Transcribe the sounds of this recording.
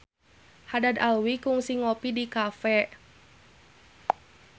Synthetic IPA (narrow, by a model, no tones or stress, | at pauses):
hadad̪alwikuŋsiŋɔpidikafɛ